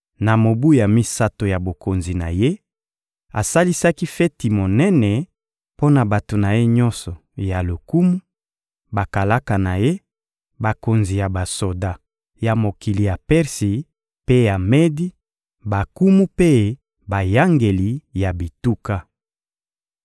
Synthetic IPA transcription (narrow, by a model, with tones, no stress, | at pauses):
na˨mo˨bu˦ja˨mi˦sa˦to˨ja˨bo˨ko˨nzi˨na̰˨je˦ | a̰˨sa˦li˦sa˦ki˦fe˦ti˨mo˨nɛ˦nɛ˨ | po˦na˨ba˨to˨na˨je˦ɲɔ˦nsɔ˨ | ja˨lo˨ku˦mu˦ | ba˨ka˨la˦ka˨na˨je˦ | ba˨ko˨nzi˨ja˨ba˨so˨da˦ | ja˨mo˨ki˨li˨ja˨pɛ˦ʁsi˨ | pe˦ja˨me˦di˦ | ba˨ku˦mu˦pe˦ | ba˨ja˦ŋɡe˨li˨ja˨bi˨tu˦ka˦